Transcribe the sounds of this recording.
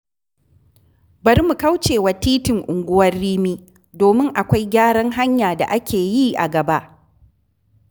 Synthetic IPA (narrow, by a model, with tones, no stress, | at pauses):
bɐ˨rmu˨ka˦wt͡ʃeː˨wa˨tiː˦tɪ˨ŋʔʊ˨ŋɡʷʊ˦wɐ˦rːiː˦miː˦ | doː˨mɪ˦ŋʔa˨kʷa˦jɡʲaː˦ɽɐ˦ŋɦa˦ɲjaː˨da̰˨ʔa˦kʲʰeː˨ji˦ʔa̰˨ɡɐ˨ba˦ʔ